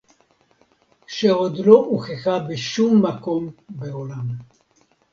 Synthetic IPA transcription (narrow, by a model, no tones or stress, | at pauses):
ʃeod̪loʔuχexabeʃumːakombeolam